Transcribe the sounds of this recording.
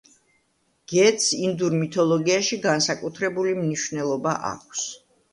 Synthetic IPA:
ɡ̥ɛt̪sind̪uɾmit̪ʰɔlˠɔɡiaʃiɡansakʼut̪ʰɾɛbulimniʃvnɛlˠɔbaʔa̰kʷʰs

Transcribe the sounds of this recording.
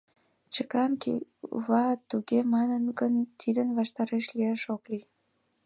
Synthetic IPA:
t͡ɕəkɑnkḭβɑt̪uɣemɑnənɡənt̪ʰid̪ənβɑʃt̪ɑɾeʃlieʃokli

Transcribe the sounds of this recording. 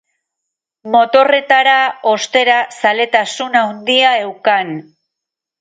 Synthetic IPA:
mo̞t̪o̞re̞t̪aɾao̞st̪e̞ɾasale̞t̪asunawnd̪iae̞wkan

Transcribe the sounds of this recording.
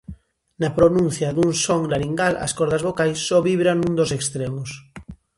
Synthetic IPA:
napɾonũn̟θjaðunsoŋlaɾiŋɡala̰skoɾðazβokajsːoβiβɾanũnd̪osekst̪ɾemos

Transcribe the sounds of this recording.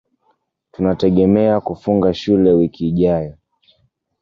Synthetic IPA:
tunatɛɠɛmɛakufuŋɡaʃulɛwikiːʄajɔ

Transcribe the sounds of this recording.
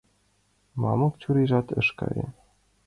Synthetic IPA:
mɑmɤ̆kt͡ɕuɾiʒɑt̪ɤ̰̆ʃkɑ̰ɾʲḛ

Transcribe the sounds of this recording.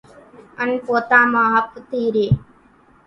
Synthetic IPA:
ɐnpoːt̪aːmaːɦɐpt̪iːɾeː

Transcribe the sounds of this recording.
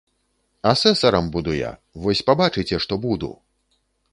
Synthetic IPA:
asɛsɐɾɐmbud̪uja̰vɔsʲpabat͡ʂɨt͡sʲɛʂt̪ɔbud̪ṵ

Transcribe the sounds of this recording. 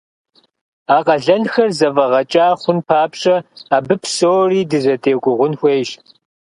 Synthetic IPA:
aːqʼɐɮɐnxɐrzɐvɐʁɐt͡ʃʼaːχʷʊnpʰaːpɕʼɐaːbɨpʰsoːriːdɨzɐdʰeːɡʷʊʁʷʊnxʷeːjʒ

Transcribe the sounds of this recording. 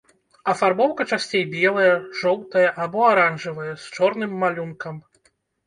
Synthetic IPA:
ɐfarbɔwkɐt͡ʂasʲt͡sʲejbʲɛlˠɐjɐʐɔwt̪ɐjɐʔabɔaɾanʐɨvɐjɐst͡ʂɔrnɨmːalʲunkɐm

